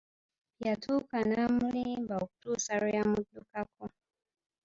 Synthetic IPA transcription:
jatʰukanamlibauk̚tusaɾjamutdukakɔ

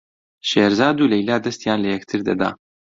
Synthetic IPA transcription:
ʃeːɾzaːd̪uːlɛjlaːd̪ɐst̪jaːnlɐjɛkt̪ʰɨɾd̪ɐ̰d̪a̰ː

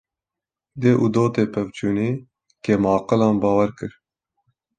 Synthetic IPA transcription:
d̪eːʔud̪oːt̪eːpʰɛvt͡ʃʰuːneː | kemɑːqɨlɑːnbɑːwɛɾkɨɾ

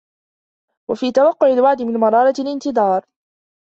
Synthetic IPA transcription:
wafiːt̪awɑqːʊʕɪlwaʕd̪ɪmɪnmɑɾˤɑːɾˤɑlʔɪnt̪ɪd̪ˤɑːɾˤ

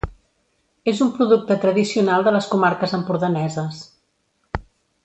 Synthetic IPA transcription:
ezumpɾuðuk̚t̪ət̪ɾəðisiunalˠd̪ələskumaɾkəzəmpuɾðənɛzəs

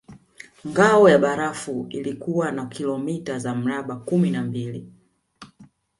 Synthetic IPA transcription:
ŋɡaɔjaɓaɾafuilikuwanakʰilɔmitazam̩ɾaɓakuminambili

